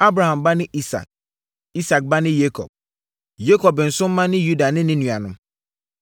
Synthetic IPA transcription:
a˦bɾa˨hã˨mba˦nɪ̃˦ʔi˦sa̰˨k̚ | i˦sa˨k̚ba˦nɪ̃˦je˦kʰɔ̰˨b̚ | je˦kʰɔ˨bɪ˨n̩˨sʊ̃˦m̩˦mã˦nɪ̃˦ju˦da˨nɪ̃˦nɪ̃˦nũ˨a˨nʊ̃˦

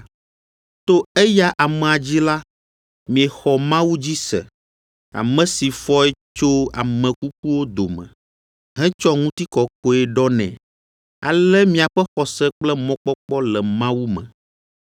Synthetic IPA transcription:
t̪o˦e˦ja˦ʔa˨mɛ̃˨a˨d͡ʑi˦la˦ | mĩ˨ɛ˨xɔ˨mã˦wu˦d͡ʑi˦sɛ̰˨ | a̰˨mɛ̃˨si˨fɔ˦ɛ˦t͡ʃo˦a̰˨mɛ̃˨ku˦k̚u˦wo˦d̪o˨mɛ̰̃˨ | ɦɛ̃˦t͡ʃɔ˦ŋũ˦t̪i˦kɔ˨ko˦ɛ˦ɖɔ˦nɛ̰̃˨ | a̰˨lɛ˦mĩ˨a˨ɸɛ˦xɔ˨sɛ˦k͡plɛ˦mɔ̃˦k͡pɔ˦k͡pɔ˦lɛ˨mã˦wu˦mɛ̰̃˨

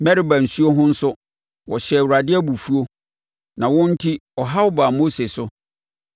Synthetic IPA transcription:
mɛ˦ɾi˦bã˨n̩˨su˦o˦ɦʊ̃˦n̩˦sʊ˦ | wɔ˨ɕɛ˨wu˨ɾa˨dɪ˦æ˦bu˨fu˦o˦ | nã˨wʊ̃˦n̩˦tʰi˦ɔ˨ɦa˦ɔ˦baː˨mo˦se˨sʊ˦

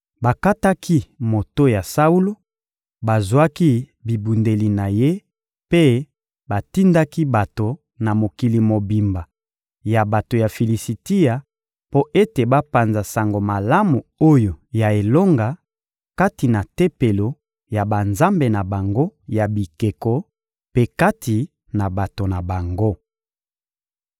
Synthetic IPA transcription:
ba˨ka˦ta˦kʰi˦mo˨to˦ja˨sa˦u˦lo˦ | ba˨zwa˦ki˦bi˨bu˨nde˨li˨na˨je˦ | pe˦ | ba˨ti˦nda˦ki˦ba˨to˨ | na˨mo˨ki˨li˨mo˨bi˨mba˨ | ja˨ba˨to˨ja˨fi˨li˨si˨ti˦ja˨ | po˦ʔe˦te˨ba˦pa˨nza˨sa˨ŋɡo˨ma˨la˦mu˨o˦jo˨ja˨e˨lo˦ŋɡa˨ | ka˦ti˨na˨te˦pe˨lo˨ | ja˨ba˨nza˦mbe˨na˨ba˨ŋɡo˦ja˨bi˨ke˨kɔ˦ | pe˦ka˦tʰi˨ | na˨ba˨to˨na˨ba˨ŋɡo˦

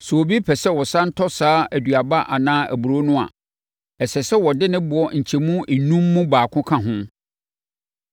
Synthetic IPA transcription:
so˨o˨bi˦pʰɛ˨sɛ˦wɔ˨sã˦n̩˦tʰɔ˦saː˦æ˨du˨a˨ba˦ʔa˨nãː˦æ̰˨bu˨ɾo˦nʊ̃˦a̰˨ | ɛ˨sɛ˨sɛ˦wɔ˨dɪ˦nɪ̃˦bʊ˨ɔ˦ɲ̩˨t͡ɕʰɛ˨mũ˦i˨nũ˦mːũ˦baː˨kʰʊ̃˦kʰã˦ɦʊ̃˦

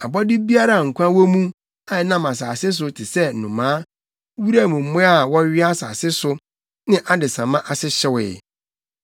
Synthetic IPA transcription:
a˨bɔ˦dɪ˦bi˦a˦ɾa˦˨ŋ̩˨kʷã˦wɔ˦mũ˦ | a˨ɪ˨˦nã˦mã˨s̬aː˨sɪ˦s̬ʊ˨tʰɪ˨sɛ˦˨nʊ̃˨mãː˨˦ | wu˦ɾa˦˨mũ˨m̩˦mʊ̃˦a˦˨wɔ˦ɥɪ˦a˦sa̰ː˨sɪ˦sʊ˨ | nɪ̃˦ʔa˦dɪ˨sã˨mã˦ʔa˨sɪ˦ɕɪ˨wɪ̰˨

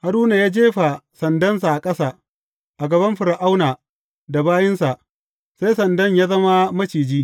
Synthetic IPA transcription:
ha˨ɽuː˦na˨jaː˦d͡ʒeː˦ɸa˨sɐ˨ndɐ˦ns̬a˨ʔa˨kʼɐ˦saː˦ | ʔa˨ɡɐ˨bɐ˦mɸɪ˨ɾa˨ʔa˦wnaː˨ | da˨baː˦jɪ˦nsa˨ʔ | sa˦jsɐ˨ndɐ˦ɲjaː˦zɐ˦ma˦mɐ˦t͡ʃiː˨d͡ʒiː˦

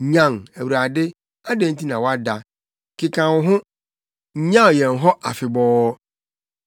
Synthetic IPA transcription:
ɲã˦˨ŋæ˨wu˨ɾa˨dɪ˦ | a˦dẽ˦n˦ti˦nã˨wɔ˦a˦da˨ | kʰɪ˨kʰã˨wʊ˨ɦʊ̃˦ | ɲã˦ɔ˨jɛ̃˨n˨ɦɔ˦ʔa̰˨fɪ˨bɔː˦

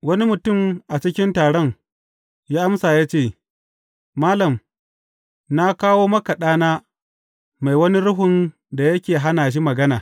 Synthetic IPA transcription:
wɐ˦ni˦mʊ˨tʊ˦˨mʔa˨t͡ʃɪ˦kʲɪ˦ntaː˨ɽɔ˦ŋ | jaː˦ʔa˦msaː˨jaː˦t͡ʃeː˦˨ | maː˦lɐ˨m | na˦kaː˦woː˦mɐ˦ka˨ɗaː˦naː˦ | ma˨jwɐ˦ni˦ɾʊ˦ɦʊ˨n | da˨jɐ˦kʲeː˨ɦa˦naː˨ʃ̬i˦mɐ˨ɡɐ˦naː˨

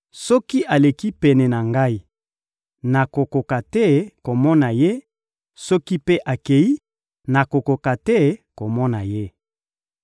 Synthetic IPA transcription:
sɔ˦ki˦ʔa˨le˨ki˦pɛ˨nɛ˨na˨ŋɡa˦i˨ | na˨ko˨ko˨ka˨tɛ˦ko˨mɔ˦na˨je˦ | sɔ˦ki˦pe˦ʔa˨ke˨i˦ | na˨ko˨ko˨ka˨tɛ˦ko˨mɔ˦na˨je˦

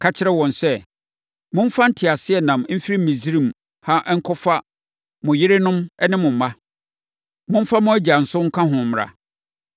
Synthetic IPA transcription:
kʰa˦t͡ɕʰɪ˦ɾɛ˦wɔ̃˨nsɛ˦ | mʊ̃˦m̩˦fa˦n̩˦tʰɪ˨a˨sɪ˦ɛ˨nã˨m˦m̩˦fi˦ɾi˦˨mĩ˨zi˦ɾĩ˦˨m | ha˦ʔŋ̩˦kʰɔ˦fa˦ | mʊ̃˨jɪ˦ɾɪ˦nʊ̃˦mɛ˦nɪ̃˦mʊ̃˨m̩˨mã˦ | mʊ̃˦m̩˦fa˦mʊ̃˦æ˦d͡ʑa˨n̩˨sʊ˦ŋ̩˦kʰã˦ɦʊ̃˨m˨a̰˨

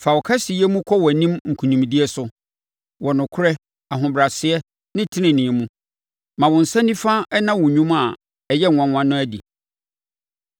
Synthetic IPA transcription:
fa˨wɔ˨kʰa˦si˨jɛ˦mũ˦kʰɔ˦wɔ˨æ˨nĩ˦mŋ̩˨kʰũ˨nĩ˨mdi˦ɛ˦sʊ˦ | wɔ˨nʊ̃˨kʰʊ˦ɾɛ˦ | a˨ɦʊ̃˨bɾa˨sɪ˨˦ɛ˦ | nɪ̃˦tʰɪ˦nɪ̃˨nĩ˨ɛ˨mũ˦ | mã˨wɔ̃˨n̩˨sã˦nĩ˦fã˦ɛ˦nã˦wʊ̃˨ɲũ˦ma˨ | ɛ˨jɛ˦ŋʷ˨ã˨˦wʷã˦nːʊ̃˦æ˦dḭ˨

